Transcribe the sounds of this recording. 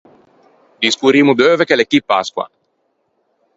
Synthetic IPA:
d̪iskuɾimud̪øːvekelekːipːa̰skwa̰

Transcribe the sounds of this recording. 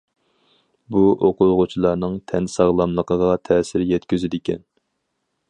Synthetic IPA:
buoqʊʁʊt͡ʃʰilˠɑɾnɨŋt̪ʰɛnsɑʁlˠɑmlˠəqʰəʁɑt̪ʰɛsɪɾjɛt̪kʲyzɪd̪ɪkʲɛ̰n

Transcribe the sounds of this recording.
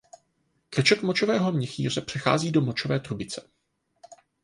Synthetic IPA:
kɾɛt͡ʃok̪mot͡ʃovɛːɦo̞mɲɛxḭːr̝ɛpr̥ɛxa̰ːziːdo̞mot͡ʃovɛːt̪ɾubɪt͡sɛ̥

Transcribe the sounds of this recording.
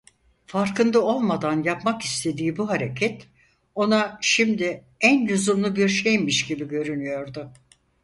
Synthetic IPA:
faɾkɯnd̪ao̞lˠmad̪anjapmaki̥st̪ʰe̞d̪iːbuɦaɾe̞cʰɛt̪ | o̞naʃimd̪ɪ | ænjuzumlˠubiɾʃejmmiʃɟibiɟø̞ɾynyjo̞ɾd̪ʊ

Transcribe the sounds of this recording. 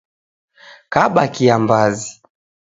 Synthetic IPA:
kaɓakiambazi

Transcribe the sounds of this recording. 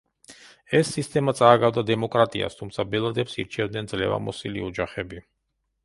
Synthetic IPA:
ɛsːist̪ʼɛmat̪sʼaːɡavd̪ad̪ɛmɔkʼɾat̪ʼḭa̰st̪ʰumt̪sʰabɛlˠad̪ɛpsḭɾt͡ʃʰɛvd̪nɛnd̪zlɛ̰va̰mɔsilḭɔd͡ʒaχɛbi

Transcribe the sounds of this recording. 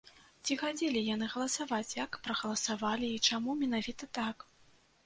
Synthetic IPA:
t͡sʲixad͡zʲelʲijan̪ɨɣɐlˠɐsavat͡sʲjakpɾɐɣɐlˠɐsavalʲiːt͡ʂamumʲɛnavʲit̪ɐt̪ak

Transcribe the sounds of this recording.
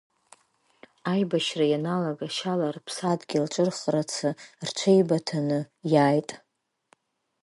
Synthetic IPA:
ajbaʃrajanalaɡaʃalarpʰsadɡʲilʈ͡ʂʼɨrχrat͡sʰɨrt͡ʃʷʰejbatʰanɨjaːjtʼ

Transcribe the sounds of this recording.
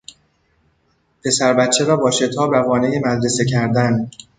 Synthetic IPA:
pʰe̞sæɾbæt̪t͡ʃʰːe̞ɾɒːbɒːʃe̞t̪ʰɒːbɾævɒːnejemæd̪ɾe̞se̞cʰæɾd̪æn

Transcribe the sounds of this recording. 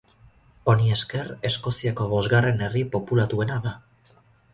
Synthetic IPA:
o̞nie̞ske̞re̞sko̞siako̞βo̞zɣare̞ne̞ripo̞pulat̪ue̞naða

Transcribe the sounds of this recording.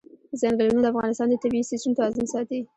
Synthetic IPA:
əzɑŋɡəlunod̪əafɣɑnɪst̪ɑnd̪ət̪abist̪isunt̪aɑzɪnsɑt̪i

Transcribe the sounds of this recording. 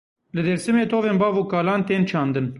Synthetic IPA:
lɨd̪eɾsɨmeːt̪ʰoːveːnbɑːvuːkɑːlɑːnt̪eːnt͡ʃʰɑːnd̪ɨn

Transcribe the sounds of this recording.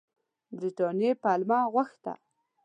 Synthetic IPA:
bɾiʈɑnjepalmɑɣwaxt̪a̰

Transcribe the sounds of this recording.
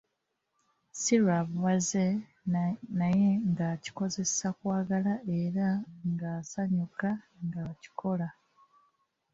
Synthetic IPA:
silwaːβuβaze | naje̞ŋɡaci̥ko̞ze̞sakwaːɡalaʔe̞ɾaŋɡasaɲukaŋɡaβaci̥kʰo̞la

